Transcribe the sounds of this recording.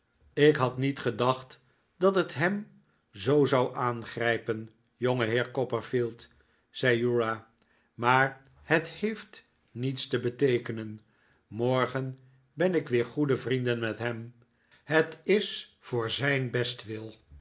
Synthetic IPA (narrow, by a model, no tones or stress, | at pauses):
ɪkɦɑtnitχədɑχt | dɑtɦətɦɛm | zowzɑwʔaːnχrɛjpən | joŋəɦɪːɹkɔpəɹfilˠt | z̥ɛjuɹa | maːɹ | ɦəthejft | nitstəbətejkənən | mɔɹχən | bɛnɪkʋɪːɹχudəvrindənmɛtɦɛm | ɦətɪsfʊːɹzɛjnbɛstʋɪlˠ